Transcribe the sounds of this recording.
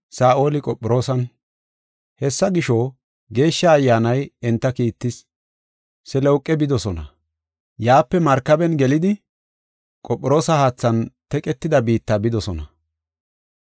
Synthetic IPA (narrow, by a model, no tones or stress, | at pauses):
saːʔo̞ːlɪkʼɔpʼːɪɾo̞ːsɐn | hɛsːɐɡɪʃo | ɡe̞ːʃːɐːjːaːnɐjɛnt̪ːɐkiːt̪ːɪs | sɛlɛʊkʼːɛbɪd̪ɔsɔnɐ | jaːpːɛmɐɾkːɐbɛnɡɛlɪd̪ɪ | kʼɔpʼːɪɾo̞ːsɐhaːt͡sːɐnt̪ɛkʼɛt̪ːɪd̪ɐbiːt̪ːaːbɪd̪ɔsɔnɐ